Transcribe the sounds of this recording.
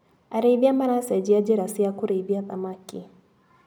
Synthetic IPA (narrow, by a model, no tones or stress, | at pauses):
ʔaɾibiamanased͡ʒiad͡ʒiɾasijakʷʊɾibijasʼamakʲḭ